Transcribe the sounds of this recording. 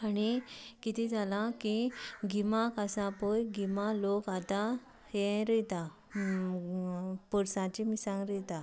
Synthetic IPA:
anikit̪ʰid͡zalakiɡʱimakasãpojɡʱimalokat̪a | hẽɾəjt̪a | pəɽsãt͡ɕimisãŋɡɾəjt̪a

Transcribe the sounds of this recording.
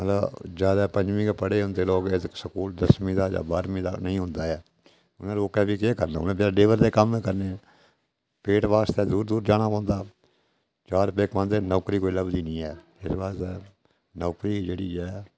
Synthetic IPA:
mət̪ləbd͡ʒjaːd̪aːpə̃ɲd͡ʒʋĩːkepəɽeːɦʊ̃nd̪eːloːkeksəkuːld̪əsmĩːd̪aːja̰ːbaːɾmĩːd̪a̰ːnəĩːɦʊ̃nd̪aːɛː | ʊnãːloːkɛːbiːkeːkəɾnaːʊnẽːp̬jaːɖeːʋəɾd̪eːkəmeːkəɾneː | peːʈʋaːst̪ɛːd̪uːɾd̪uːɾd͡ʒaːñaːpɔ̃ːnd̪aː | t͡ʃaːɾpeːkʋãːnd̪eːnɔːkɾiːkoːiləbd̪iːnĩːɛː | ɪsbaːst̪ɛː | nɔːkɾiːd͡ʒeːɽiːɛː

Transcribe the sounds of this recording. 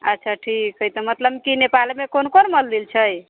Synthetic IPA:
ətːʃʰaʈʰikːəjt̪əmət̪ləbkinepalmekonkonməld̪ilt͡ʃʰəj

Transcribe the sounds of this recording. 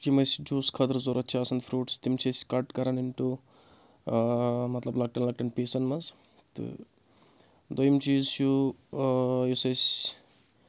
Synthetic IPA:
kimɐsd͡ʒuːskʰɐd̪ɐɾzoːɾɐt̪ːt͡ʃʰaːsɐnd̪fʰɾuːʈst̪imt͡ʃʰɐsʲkɐʈkɐɾɐniɳʈu | mɐt̪lɐblɐk̚ʈɐnlɐk̚ʈɐnpeːsɐnmɐz | t̪ɨ̰ | d̪ojɐmt͡ʃiːzt͡ʃu | jusɐsʲ

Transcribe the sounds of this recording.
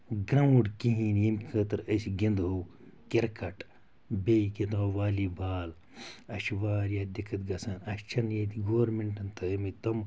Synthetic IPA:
ɡɾauɖkiɦĩːnjimʲkʰəːt̪ɨɾəsiɡind̪ɦoːk | keɾkɐʈ | bʲeket̪oːʋaːlibaːl | ɐʃʋaːɾjaːd̪ʲikʰɐt̪ɡɐsɐnɐʃt͡ʃʰɐnjet̪iɡoːʋɾmeɳʈɐnt̪ʰɨmit̪ɐm

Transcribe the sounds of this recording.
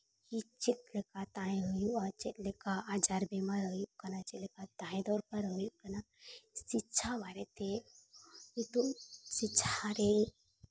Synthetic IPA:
hit͡ʃit̪̚lekat̪aĩɦəjuat͡ʃit̪lekaad͡ʒaɾbemaɾɦəjukɐnat͡ʃilekat̪aːĩd̪ɔːɾpɐɾɦəjukɐna | sit͡ʃʰaβaɾet̪e | jit̪usit͡ʃʰaɾe

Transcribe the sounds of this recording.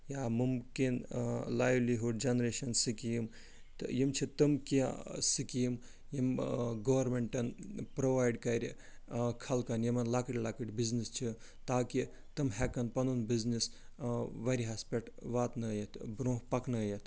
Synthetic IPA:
jaːmumkinlaːjʋliɦuɖ̚d͡ʒɐnɾeʃɐnsikjim | t̪jimt͡ʃʰit̪ɨmkiasikijim | jimɡɐːʋɐɾmeɳʈɐnpɾoʋaːjɖkɐɾʲi | kʰɐlkɐnjimɐnlakɐʈʲlakɨʈʲbiznist͡ʃʰi | t̪aːki | t̪ɨmɦɛkɐnpɐnunbiznis | ʋɐɾʲiɦaspeʈʋaːt̪nɐjɐt̪bɾõːɦpɐknɐjɐt̪ʰ

